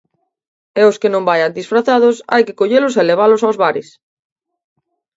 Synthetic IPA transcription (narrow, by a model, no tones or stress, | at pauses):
ɛoskenõmbajand̪isfɾaθað̞ʊsa̰jkekoʎelos̬eleβ̞alosawzβaɾɪs